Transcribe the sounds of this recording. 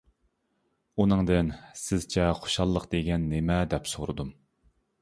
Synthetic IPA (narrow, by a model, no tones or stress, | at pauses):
unɨŋd̪ɨnsɪz̥t͡ʃʰɛχo̥ʃɑlˠːəqd̪eɡʲɛnːemɛd̪ɛpsoɾɨ̰d̪um